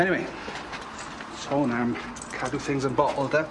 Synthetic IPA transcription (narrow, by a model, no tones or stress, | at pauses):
ɛniweɪ | soːnam | kʰaduθɪ̃ŋzə̃nbɔʔl̩ˠd̪ə